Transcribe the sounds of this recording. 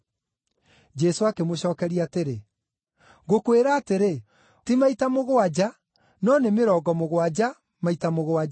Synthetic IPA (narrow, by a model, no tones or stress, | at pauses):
d͡ʒɛsoakemoɕɔːkɛɾiateɾe | ɣokweɾaːteɾe | timaitamoɣoad͡ʑa | nɔnemeɾɔːɡɔmoɣwad͡ʑa | maitamoɣoaa